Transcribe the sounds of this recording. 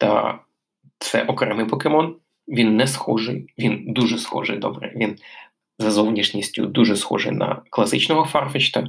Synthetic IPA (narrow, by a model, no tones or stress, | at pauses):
t̪ɐ̰ | t̪sɛ̰ʔɔkɾɛmɪpɔkemɔn | ʋʲinːɛsxɔʐɪjʋʲind̪uʐɛsxɔ̰ʒɪ̰jd̪ɔ̰bɾɛ̰ʋʲin | zɐzɔwnʲiʃnʲisʲtʲʊ̰d̪uʐɛsxɔ̰ʒɪ̰jnɐ̰klˠɐsɪt͡ʃnɔɦɔfɑrfɪt͡ʃt̪ɐ